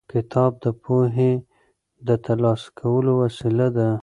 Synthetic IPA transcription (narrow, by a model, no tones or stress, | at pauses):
kɪt̪ʰɑb̚d̪əpʰoɦe | d̪ət̪alɑskʰawəlowasilad̪a